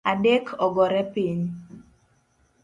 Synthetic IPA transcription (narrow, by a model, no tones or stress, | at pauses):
adekʰɔɡɔɾɛpiɲ